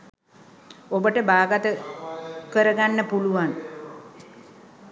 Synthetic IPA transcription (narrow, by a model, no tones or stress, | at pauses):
obəʈəbaːɡat̪ə | kəɾəɡanːəpuluʋan